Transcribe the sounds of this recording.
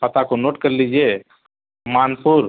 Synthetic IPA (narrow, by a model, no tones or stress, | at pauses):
pɐt̪akonoːʈkəɾlid͡ʒie | maːnpuɾ